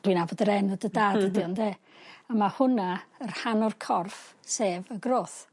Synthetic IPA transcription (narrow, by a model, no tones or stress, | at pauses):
d̥winabɔdəɾɛnɔdədaːdədiɔndeː | amahʊnaərhanɔrkʰɔrfseːvəɡroːθ